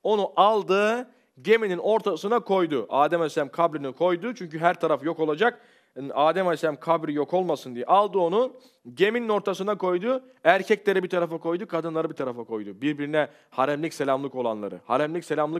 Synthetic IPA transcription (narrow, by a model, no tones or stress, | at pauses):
o̞nuʔalˠd̪ɯ | ɟe̞minino̞ɾt̪ʰasɯnakʰo̞jd̪ʊʔaːd̪ɛmasʲæmkʰabɾinikʰo̞jd̪ʊt͡ʃʰyɲcyɦæɾt̪ʰaɾafjo̞ko̞lˠad͡ʒak | aːd̪æmasʲæmkʰabɾijo̞kʰo̞lˠmasɯnd̪ijɛ̰ʔalˠd̪ɯo̞nu | ɟe̞minino̞ɾt̪ʰasɯnako̞jd̪u | æɾcʰɛclʲe̞ɾɛbit̪ʰaɾafako̞jd̪ukʰad̪ɯnlˠaɾabit̪ʰaɾafakʰo̞jd̪ubiɾbiɾinɛ | haɾɛmlʲicselʲamlˠɯko̞lˠa̰nlˠa̰ɾɯ̰haɾɛmlʲicselʲamlˠɯ